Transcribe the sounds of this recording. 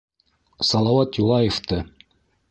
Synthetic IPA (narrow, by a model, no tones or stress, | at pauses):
sɑlˠɑwɑt̪julˠɑjeft̪ɤ